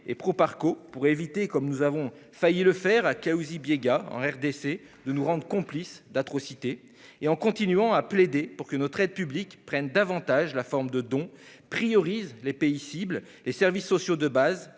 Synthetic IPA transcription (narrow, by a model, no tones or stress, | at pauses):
ḛpχopaʁkopuʁevit̪ekɔmnuzavɔ̃ | fajiləfɛʁakauzibjeɡaɑ̰̃ɛʁd̪ese | d̪ənuʁɑ̃d̪ʁəkɔ̃plisd̪at̪χɔsit̪eː | ɑ̃kɔ̃t̪inɥɑ̃apled̪epuʁkənɔt̪χɛd̪̚pyblikpχɛnd̪avɑ̃t̪aʒlafɔʁmd̪əd̪ɔ̃ | pχijɔʁizlepeisibl | lesɛʁvisːɔsjod̪əbaz